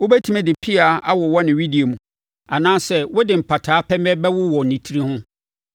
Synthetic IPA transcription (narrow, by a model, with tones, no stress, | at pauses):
wʊ˦bɛ˦tʰi˦mɛ̃˦˨dɪ˨pʰi˦a˨a˦wɔ˨wɔ˦nɪ̃˨wi˦di˨o˨mũ˨ | a˨nãː˦sɛ˦wʊ˦dɪ˨m̩˨pʰa˨tʰaː˨˦pʰɛ˦mɛ˦bɛ˦wʊ˦wɔ˨nĩ˨tʰi˦ɾi˦hʊ̃˦